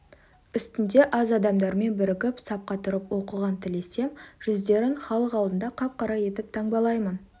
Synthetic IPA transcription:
ʏst̪ɪnd̪e̞ʔɑzɑd̪ɑmd̪ɑɾme̞nbɪɾɪkʲɪpsɑp̚qɑt̪ʰʊɾəpwo̞qəʁɑnt̪ʰɪle̞se̞mʒ̥ʏzd̪e̞ɾɪŋχɑlˠəqɑlˠd̪ənd̪ɑqʰɑp̚qʰɑɾɑje̞t̪ɪp̚t̪ʰɑɴbɑlˠɑjmən

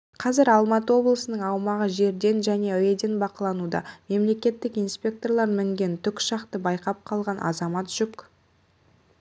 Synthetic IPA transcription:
qʰɑzɪɾɑlˠmɑt̪əwo̞blˠəsənəɴɑwmɑʁəʒe̞ɾd̪e̞nʒæne̞ɵjed̪e̞nbɑqəlˠɑnud̪ɑ̰me̞mle̞kʲe̞t̪ːɪkijnspʲe̞k̚t̪o̞rlˠɑɾmɪŋɡʲe̞nt̪ʰʏkʲʃɑqt̪əbɑjqɑp̚qʰɑlˠʁɑnʔɑ̰zɑmɑt̪ʒ̥ʏk

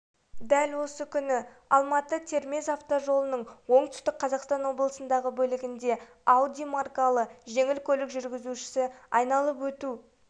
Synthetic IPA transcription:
d̪ælwo̞səkʲʰʏnɪ | ɑ̰lˠmɑt̪ət̪ʰe̞ɾme̞zaft̪oʒo̞lˠənəɴwo̞ɴt̪ʏ̥st̪ɪk̚qʰɑzɑqst̪ɑnwo̞blˠəsənd̪ɑʁəbɵlɪɡʲɪnd̪e̞ | awd̪ʲijmarkalˠəʒe̞ŋɪlkʲʰɵlɪkʒʏɾɡʲɪzuʃɪ̥sɪɑjnɑlˠəpwɵt̪u

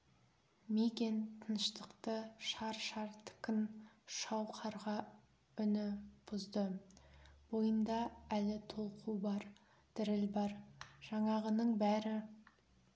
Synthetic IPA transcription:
mikʲe̞nt̪ʰənəʃt̪əqt̪əʃɑɾʃɑɾt̪ʰɪ̥kʲɪn | ʃɑwqʰɑɾʁɑ | ʏnɪb̥ʊzd̪ə | b̥o̞jənd̪ɑælɪt̪ʰo̞lˠqʰubɑɾ | d̪̥ɪɾɪlbɑɾʒ̥ɑɴɑʁənəɴbæɾɪ

